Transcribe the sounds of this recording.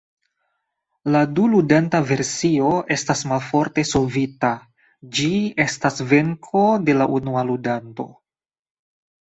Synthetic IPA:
laduludantave̞ɾsio̞e̞stasmalfo̞ɾte̞so̞vita | d͡ʒie̞stasve̞ŋkʰo̞de̞laʔunualudanto̞̰

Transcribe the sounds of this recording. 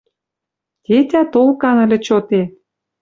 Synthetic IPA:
t̪ʲet̪ʲæt̪olkɑnə̆lʲĕt͡ɕot̪e

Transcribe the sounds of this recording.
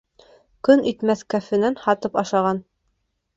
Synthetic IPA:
kɵnit̪mæθkæfɘ̆nænhɑt̪ɤpɑʃɑʁɑn

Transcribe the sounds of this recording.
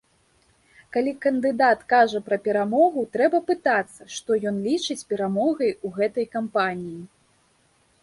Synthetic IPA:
kalʲikɐnd̪ɨd̪at̪kaʐɐpɾɐpʲɛɾamɔɣut̪ɾɛbɐpɨt̪at̪sːɐʂt̪ɔjɔnlʲit͡ʂɨt͡sʲpʲɛɾamɔɣɐjuɣɛt̪ɐjkampanʲiji

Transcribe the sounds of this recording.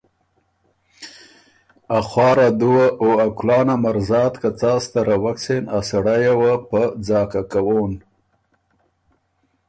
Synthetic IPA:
axwɑːɾad̪uwaʔoaklɑːnamaɾzɑːt̪kat͡sɑːst̪aɾawaksenasaɽajawapəd͡zɑkakawon

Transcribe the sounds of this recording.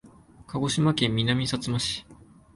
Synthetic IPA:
kaɡo̞ɕimakẽ̞mːʲinamʲisat͡sɨmaɕi̥

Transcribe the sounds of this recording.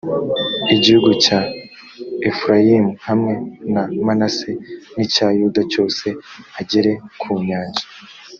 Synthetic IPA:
iɟihuɡuca | efɾajimuhamŋe̞namanasenicajudaco̞ːse̞aɟe̞ɾe̞kʰuːɲaːɲʒḁ

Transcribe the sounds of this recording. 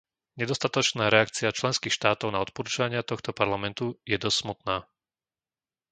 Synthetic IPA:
ɲɛd̪ɔst̪at̪ɔt͡ʃnaːɾɛakt͡siat͡ʃlɛnskiːxʃt̪aːt̪ɔʊnaɔt̪̚pɔɾuːt͡ʃʊʋaɲɪat̪ɔxt̪ɔpaɾlamɛnt̪ujɛd̪ɔssmut̪naː

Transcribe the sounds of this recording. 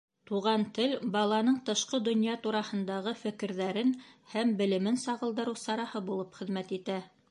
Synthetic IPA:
t̪uʁɑnt̪ɘlbɑlˠɑnɤɴt̪ɤ̆ʃqɤd̪ŏnjɑt̪uɾɑhɤ̆nd̪ɑʁɤfɘ̆kɘ̆ɾðæɾɘnhæmbɘ̆lɘ̆mɘnsɑʁɤ̆lˠd̪ɤ̆ɾɤwsɑɾɑhɤbulˠɤpχɘ̆ðmæt̪it̪æ

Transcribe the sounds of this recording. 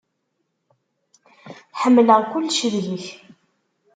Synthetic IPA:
θħəmːləʁkʊlːʃəðləç

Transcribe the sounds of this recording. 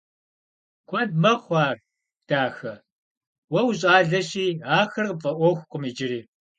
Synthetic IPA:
kʷʰɔndmɐχʷɑːr | d̥aːxɐ | wɐwɕʼaːɮɐɕiːaːxɐrpʼɐʔʷɔxʷqʷʼʊmid͡ʒɪɾiː

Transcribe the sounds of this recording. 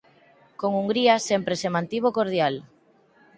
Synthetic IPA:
koŋuŋɡɾiasempɾesemãnt̪iβ̞okoɾð̞jal

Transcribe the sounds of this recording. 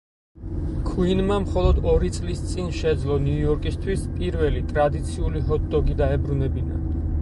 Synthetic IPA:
kʰuinmamχɔlˠɔd̪ɔɾit̪sʼlist̪sʼinʃɛd̪zlˠɔnjujɔɾkʼist̪ʰwispʼiɾvɛlit̪ʼɾad̪it̪sʰiuliɦɔt̪̚d̪ɔɡid̪aɛbɾunɛbina̰

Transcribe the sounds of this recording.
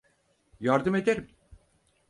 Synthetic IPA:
jaɾd̪ɯme̞d̪eɾim

